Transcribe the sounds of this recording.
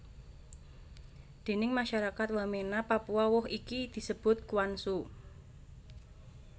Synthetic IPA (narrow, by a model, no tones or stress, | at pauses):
d̪̥e̤nɪŋmaʃaɾakat̪wəmenapapuawʊɦikid̪̥i̤səb̥ʊ̤t̪̚kuwansu